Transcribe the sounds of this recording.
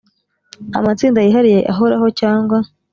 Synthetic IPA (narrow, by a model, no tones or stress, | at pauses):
a̰mat͡siːndajiɦaɾije̞ʔaɦo̞ɾaɦo̞caːŋɡwa